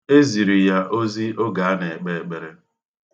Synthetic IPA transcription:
e˦zi˨ɾi˨ja˦ʔo˦zi˦o˦ɡa˨a˦ne˨e˨k͡pe˨e˨k͡pe˨ɾe˦˨

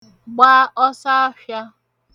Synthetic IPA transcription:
ɡ͡baː˦ʔɔ˦sa˦a˦fja˦

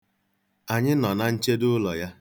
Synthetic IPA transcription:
a˨ɲɪ˦nɔ˨na˦n̩˦t͡ʃe˦dʊ˦lɔ˨ja˦

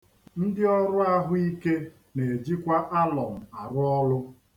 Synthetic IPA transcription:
n̩˦dɪ˦ɔ˦ɾʊ˦a˦ɦʊ˦i˦ke˦ | ne˨e˨d͡ʒi˦kʷa˦ʔa˦lɔ˨m̩˨a˨ɾʊ˦ɔ˦lʊ˦

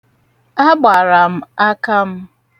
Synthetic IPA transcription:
a˦ɡ͡ba˨ɾa˨m̩˦a˦ka˦m̩˦

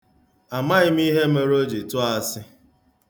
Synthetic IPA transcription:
a˨ma˦ɣɪ˦m˦i˦ɦe˦me˦ɾo˦d͡ʒe˨tʊ˦a˨sɪ˦

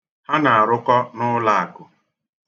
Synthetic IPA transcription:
ha˦na˨a˨ɾʊ˦kɔ˦nʊ˦la˦a˨kʊ˨

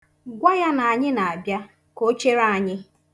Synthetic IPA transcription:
ɡʷa˦ja˦na˨a˨ɲɪ˦na˨a˨bja˦ | ko˦t͡ʃe˦ɾa˦˨a˨ɲɪ˦

